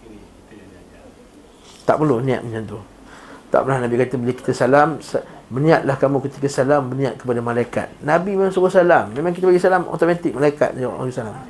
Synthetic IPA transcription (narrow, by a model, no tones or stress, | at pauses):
t̪a̰ʔpərlohnĩa̰ʔ̪miɲant̪u | t̪a̰ʔpəlahnabikat̪əbəilaki̥t̪asalamsːənĩaʔ̪̚lahkamũkət̪ikasalambənĩaʔ̪̚kə̥padamalaika̰t̪̚nabimemãŋsuɡasalamːẽmaŋk̬it̪abaɡisalamo̰t̪omat̪ɪk̚malaika̰t̪̚nd͡ʒawa̰ʔba̰ɡisalam